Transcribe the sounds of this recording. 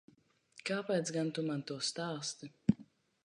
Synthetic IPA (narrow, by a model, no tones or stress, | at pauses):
kaːpɛjt̪sɡant̪umant̪uɔst̪aːst̪ɨ